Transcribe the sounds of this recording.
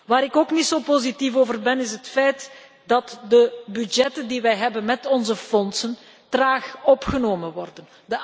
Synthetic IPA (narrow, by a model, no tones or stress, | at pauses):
ʋaːɾɪkoːknitsoːpozitifoːvərbɛnɪsɦətfɛjt | dɑtdəbyd͡ʒɛtəndiʋɛjɦɛbənmɛtɔnzəfɔnsən | traːxɔpxənoːmənʋɔrdən | də